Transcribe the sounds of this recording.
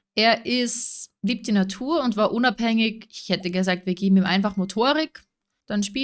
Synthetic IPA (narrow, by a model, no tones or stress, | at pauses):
ʔeːɐʔɪsliːp̚td̥iːnatʰuːɐʊntv̥aːɐʔʊnaphɛŋɪçɪçhɛtəɡəzaːk̚tviːɐɡeːbm̩iːmʔa̰ɪnfaχmotʰoːɐʁɪk | d̥anʃpiː